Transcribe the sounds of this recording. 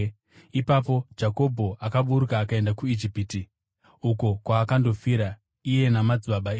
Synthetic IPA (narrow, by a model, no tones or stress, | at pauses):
ipapo̞d͡ʒako̞bʱo̞ʔakaɓuɾukaːkae̞ndakuid͡ʒipiti | uko̞kwaːkando̞fiɾa | ije̞namad͡ziɓaɓaeː